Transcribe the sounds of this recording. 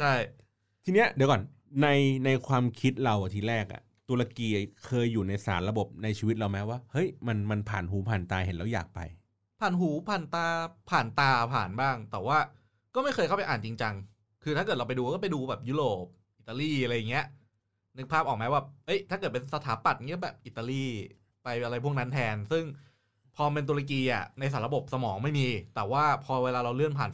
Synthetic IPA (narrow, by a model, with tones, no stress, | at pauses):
t͡ɕʰa˥˩j | t̪ʰi˧ni˦˥ɐʔdi˨˩˦kɔː˨˩n | na˧jna˧jkʰwaː˧mkʰi˦˥t̪̚ɾa˧wʔa˨˧˩t̪ʰiː˧ɾɛː˥˩k̚ʔa̰˨˩ | t̪u˧ɾa˧kiː˧kʰɤː˧jːuː˨˩na˧jsa̰ː˩˦nɾa˧bo˨˩p̚na˧jt͡ɕʰiː˧wi˦˥t̪̚ɾa˧wma˦˥waː˥˩hɤ˦˥jma˧nma˧npʰa̰ː˨˩nɦuː˩˦pʰaː˨˩nt̪aː˧he˨˩˦nlɛ˧˩wja̰ː˨˩k̚pa̰˧j | pʰaː˨˩nɦuː˩˦pʰaː˨˩nt̪aː˧pʰaː˨˩nt̪aː˧pʰaː˨˩nbaː˥˩ŋt̪ɛː˨˩waː˥˩ | kɔː˥˩ma˥˩jʰxɤː˧jkʰa˥˩pa˧ʔaː˨˩nt͡ɕi˧ŋt͡ɕa˧ŋ | kʰɯː˧t̪ʰa˥˩ɤː˨˩t̪̚a˧pa˧jduː˧˦kɔː˥˩pa˧jduː˧bɛː˨˩p̚juː˦˥ɾoː˨˩p̚ | ʔi˨˩t̪ːaː˧liː˥˩ʔa˧ɾa˧jːa˨˩ŋːi˦˥ɐ | nɯ˦˥k̚ʰaː˥˩ʔɔː˨˩k̚mɛː˦˥baː˨˩p̚ʔɤ˦˥jt̪ʰaː˥˩kɤ˨˩t̪̚pe˧nsa˧t̪ʰaː˩˦pa˨˩t̪̚ŋi˦˥˩bɛː˨˩p̚ʔi˨˩t̪ːaː˧liː˥˩ | pa˧jʔa˧ɾa˧jpʰu˥˩əkna˦˥nt̪ʰɛː˧nsɯ˥˩ŋ | pʰɔː˧me˧nt̪̬u˧la˧k̬iː˧ʔa̰˨˩na˧js̬aː˩˦nɾa˧bo˨˩p̚sa˧mɔː˩˦ŋma˥˩jmiː˧t̪ɛː˨˩waː˥˩pʰɔː˧weː˧laː˧ɾa˧wlɯ˥˩ənpʰaː˨˩n